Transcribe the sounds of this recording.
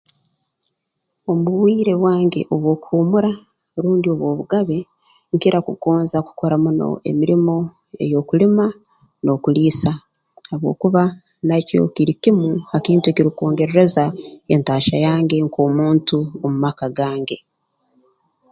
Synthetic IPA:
o̞muβwiːɾe̞βwaːŋɡe̞̰ʔo̞βwo̞ːkuːmuɾa | ɾuːndio̞βwo̞ːβuɡaβe̞ | ŋkiɾakukoːnzaku̥ko̞ɾamuno̞̰ʔḛmiɾimo̞ | e̞̰jo̞kulima | no̞kuliːsa | haβwo̞̰ːkuβa | naco̰kiɾicimuakiːntueciɾiko̞ːŋɡe̞ɾe̞ɾe̞zae̞̰ntaːʃajaːŋɡe̞ŋkʰo̞ːmuːntuomumakaɡaːŋɡe

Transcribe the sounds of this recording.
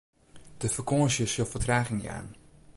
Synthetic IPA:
d̥əfəkosjəsolˠfətraːχɪŋja̰ːn

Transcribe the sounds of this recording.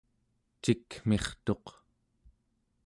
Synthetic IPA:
t͡ʃikm̥e̞χt̪o̞q

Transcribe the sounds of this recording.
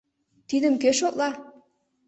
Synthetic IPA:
t̪id̪ə̆mkeʃot̪lˠɑ

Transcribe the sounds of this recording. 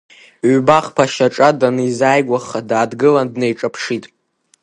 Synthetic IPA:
baχpʰaʃaʈ͡ʂʼadanɨizaːjɡʷaχadaːdɡɨlandnejʈ͡ʂʼapʰʂitʼ

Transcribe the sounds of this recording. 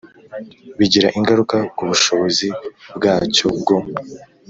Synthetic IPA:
βiɟiɾaʔiŋɡaɾukakuβuʃo̞βo̞zibɡaːco̞bɡom

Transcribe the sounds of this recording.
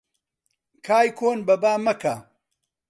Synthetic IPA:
kʰaːjkʰoːnbɐbaːmɐka

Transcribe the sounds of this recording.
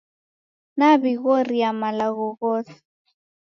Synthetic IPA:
nabiɣoriamalaɣɔɣɔːt͡s

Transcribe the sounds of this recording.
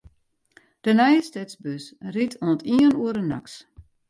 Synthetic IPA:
d̥ənɛjəstɛtsbøsritʰoəntʰiənuəɾəna̰ks

